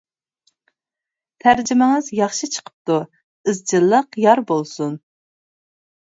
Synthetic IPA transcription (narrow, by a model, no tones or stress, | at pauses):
t̪ʰæɾd͡ʒɪmɪŋɨzjɑχʃɨt͡ʃʰə̥qʰə̥p̚t̪u | ɨzd͡ʒɨlˠːəqjɑɾbolˠsun